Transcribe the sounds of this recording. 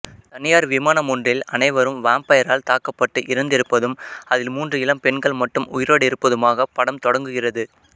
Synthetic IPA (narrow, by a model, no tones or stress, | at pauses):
t̪ɐnɪjaːɾʋɪmaːnɐmɔndrɪlɐnɐɪʋɐɾɯmʋaːmpɐjɐɾaːlt̪aːkɐpːɐʈːɯʔɪɾɯnd̪ɪɾɯpːɐðɯmɐðɪlmuːndrɯɪlɐmpɛɳɡɐɭmɐʈːɯmʊjɪɾoːɽɪɾɯpːɐðɯmaːɣɐpɐɽɐmt̪ɔɽɐŋɡɯɣɪrɐðɯ